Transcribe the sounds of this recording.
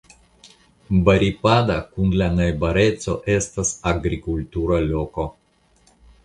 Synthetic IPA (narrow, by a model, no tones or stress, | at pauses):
baɾipad̪akunlanajbaɾe̞tt͡so̞̰ʔe̞st̪asaɡɾikult̪uɾalo̞ko̞